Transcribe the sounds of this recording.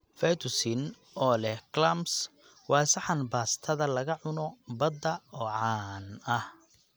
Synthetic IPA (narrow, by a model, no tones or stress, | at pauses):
fɛjt̪ʰʊsɪn | ɔːlɛhklɐms | wɑːsɐħɑnbaːst̪ʰɐðɐlɐɣɐʕʊnɔbɐd̪ɐɔːʕɑːnɐh